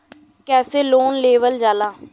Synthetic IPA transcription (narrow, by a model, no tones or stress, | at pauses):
kɛːseːloːnleːʋəld͡ʒaːlaː